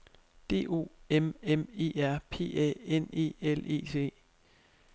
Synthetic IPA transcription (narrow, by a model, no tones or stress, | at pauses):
d̥e̝̰ːo̝̰ːememe̝̰ːæɐ̰pʰe̝̰ːɛ̰ene̝̰ːele̝̰ːt͡sʰe̝̰ː